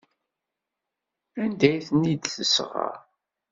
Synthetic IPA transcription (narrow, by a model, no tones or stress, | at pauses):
ænd̪æjθənid̪θəsʁɑ̰ɾ